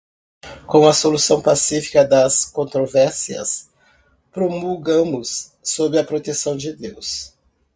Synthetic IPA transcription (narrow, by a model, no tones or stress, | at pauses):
kõw̃ɐsolusɐ̃w̃pasifi̥kɐd̪ɐskõnt̪ɾovɛɾsiɐ̰s | pɾomuɡɐ̃mʊsː | obɪɐpɾot̪esɐ̃w̃d͡ʒɪd̪ews